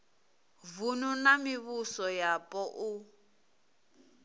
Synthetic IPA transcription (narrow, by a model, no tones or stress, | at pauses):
vununamiβusɔjapʼɔʔu